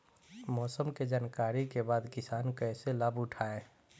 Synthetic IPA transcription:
mɔːsəmked͡ʒaːnkaːɾikebaːd̪kɪsaːnkɛːseləbʊʈʰaːeː

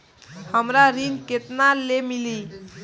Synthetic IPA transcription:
həmɾaɾinket̪nalemili

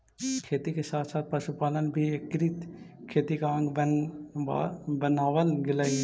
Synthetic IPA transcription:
kʰeːt̪ikesaːt̪ʰsaːt̪̚pɐʃupaːlənbʱiekːɾit̪ | kʰeːt̪ikaə̃ŋɡbə | bənaːʋənɡɪlai

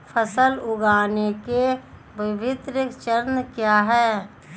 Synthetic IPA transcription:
pʰəsəlʊɡaːneke | bɪbɪt̪ɾɪkt͡ʃəɾnkjaːɦɛː

